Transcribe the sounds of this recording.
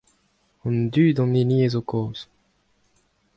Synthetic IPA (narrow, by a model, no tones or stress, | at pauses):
ɑ̃nd̪yːd̪ɑ̃neniezokoːz